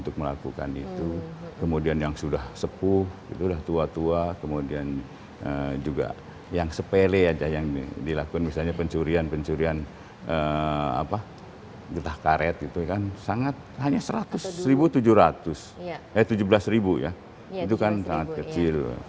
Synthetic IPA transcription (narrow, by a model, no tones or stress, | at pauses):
unt̪ʊk̚məla̰kuka̰nḭt̪ukəmodianjaŋsudahsəpʊhɡit̪udaht̪uat̪uakəmodian | əd͡ʒuɡa̰ | jaŋsəpelead͡ʒajaŋdilakukanmisalɲapəɲt͡ʃuɾianpəɲt͡ʃuɾian | əa̰pa | ɡət̪ahkaɾɛt̪̚ɡit̪ukansaŋat̪̚haɲasəɾat̪ʊsːəɾibut̪ud͡ʒʊhɾat̪ʊs | ajat̪ud͡ʒubəlasɾibuja̰ | it̪̬ukansaŋat̪̚kət͡ʃɪl̰